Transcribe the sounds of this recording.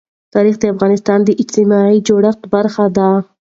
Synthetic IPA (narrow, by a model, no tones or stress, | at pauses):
t̪ɑɾixd̪əafɣɑnɪst̪ɑnd̪əʔɪd͡ʒt̪ɪmɑid͡ʒoɽaxt̪baɾxad̪a